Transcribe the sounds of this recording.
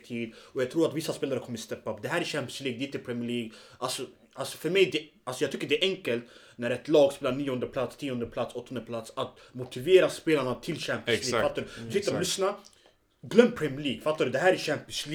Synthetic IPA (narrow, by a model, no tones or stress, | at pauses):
t̪ʰiːd̪ɔjɑɡ̚t̪ʰɾuːɾat̪vɪsːaspeːlaɾəkʰɔmːəɾst̪ɛpːapd̪ɛɦæːɾæɕæmpɪənsliːɡ̚d̪ɛɪ̃nt̪əpʰɾɛmːɭiːɡʔalsɔ | alsɔ̥fœɾmɛjd̪ɛ | alsɔjɑːɡt̪ʰʏkːəɖɛʔɛŋkəlt̪ | næɾɛt̪lɑːɡspeːlaɳiːɔnd̪əpʰlat̪st̪ʰiːɔnd̪əpʰlat̪sɔt̪ːɔnəpʰlat̪sat̪mʊt̪ɪveːɾaspeːlaɳat̪ʰɪlɕæmpɪsliːɡfat̪ːaɖɵt̪ɪkt̪lʏsna | ɡlœmːpʰɾɛmjɭiːɡfat̪ːaɖɵd̪ɛɦæːɾæɕæmpɪənsl